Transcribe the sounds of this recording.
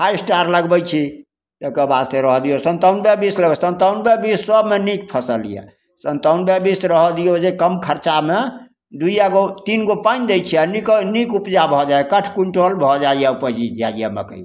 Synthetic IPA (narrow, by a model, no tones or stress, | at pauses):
hajsʈaɾləɡbəjt͡ʃʰi | t̪ekəbast̪eɾəɦɔd̪ijosənt̪aunbebisləɡsənt̪aunbebisːəbmenikpʰəsəlḭjɛ̰ | sənt̪əunbebisɾəɦɔd̪ijod͡ʒekəmkʰəɾt͡ʃame | d̪ujaɡot̪inɡopand̪ejt͡ʃʰianiknikupd͡ʒabʱɔd͡ʒajkəʈʰkuɳʈolbʱɔd͡ʒaijaupəd͡ʒid͡ʒajamə̰kəj